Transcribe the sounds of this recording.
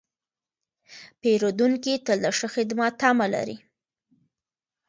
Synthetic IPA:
peɾod̪uŋkit̪əld̪əʂəxed̪mɑt̪amala̰ɾḭ

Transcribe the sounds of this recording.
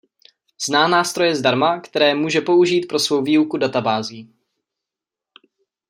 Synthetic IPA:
z̥naːnaːst̪ɾo̞jɛzdaɾmakt̪ɛɾɛːmuːʒɛpo̞uʒiːt̪̚pɾo̞svo̞wviːukudat̪abaːziː

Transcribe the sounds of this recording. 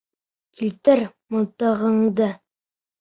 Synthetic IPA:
kʰilt̪ɘɾmŏlˠt̪ɤ̆ʁɤ̆ɴd̪ɤ

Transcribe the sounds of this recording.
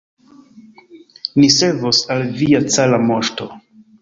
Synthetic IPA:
niseɾvosalviat͡salamoʃto̞

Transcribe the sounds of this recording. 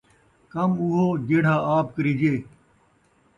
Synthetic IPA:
kɐmuɦoːd͡ʑeɽ̤aːaːp̚kəɾid͡ʑeː

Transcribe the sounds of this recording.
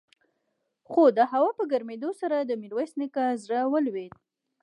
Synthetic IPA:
xod̪əɦawapəɡaɾmed̪osaɾad̪əmilwajsnəkazɽəwəlwed̪̚

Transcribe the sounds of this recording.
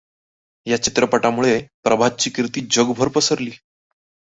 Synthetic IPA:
jat͡ɕit̪ɾəpəʈamuɭepɾəbʱat̪̚t͡ɕiːkɾit̪iːd͡ʑəɡbʱəɾpəsəɾliː

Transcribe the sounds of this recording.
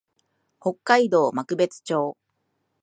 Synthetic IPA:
ho̞kːaid̪o̞ːmakɯ̟be̞t͡sɨ̥t͡ɕo̞ː

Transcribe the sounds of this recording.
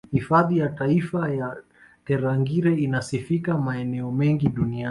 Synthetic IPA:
hifaðijataifaja | tɛɾaŋɡiɾɛinasifikamaɛnɛɔmɛŋɡiɗunia

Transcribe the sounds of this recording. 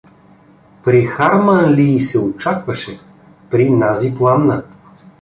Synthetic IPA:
pɾixaɾmanliːsɛot͡ʃakvɐʃɛ | pɾinaziplˠannə

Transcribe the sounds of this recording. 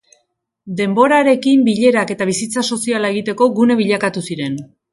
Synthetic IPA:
d̪e̞mbo̞ɾaɾe̞kimbiʎe̞ɾake̞t̪aβ̞isit͡saso̞sialae̞ɣ̞it̪e̞ko̞ɣune̞βiʎakat̪usiɾe̞n

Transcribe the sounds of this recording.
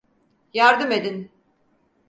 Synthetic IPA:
jaɾd̪ɯme̞d̪in

